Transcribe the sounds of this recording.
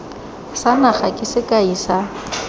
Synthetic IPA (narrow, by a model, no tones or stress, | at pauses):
sanaχakʼɪsɪkʼaisa